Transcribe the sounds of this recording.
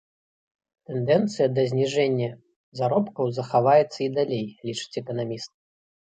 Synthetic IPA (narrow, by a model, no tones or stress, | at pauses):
t̪ɛnd̪ɛnt̪sɨjɐd̪ɐzʲnʲiʐɛnʲːɐ | zaɾɔpkɐwzɐxavajɛt̪sːɐid̪alʲejlʲit͡ʂɨ̥t͡sʲɛkɐnamʲist̪̚